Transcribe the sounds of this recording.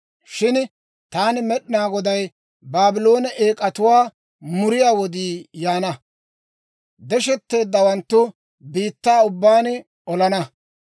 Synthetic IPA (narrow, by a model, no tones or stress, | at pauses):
ʃɪn | t̪aːnɪmɛɗɪnaːɡɔd̪ɐj | baːbɪlo̞ːnɐʔeːkʼɐt̪ʊwaː | mʊɾɪjaːwɔd̪iːjaːnɐ | d̪ɛʃɛt̪ːe̞ːd̪ːɐwɐnt̪ːʊ | biːt̪ːaːʊbːaːn | ɔlɐnɐ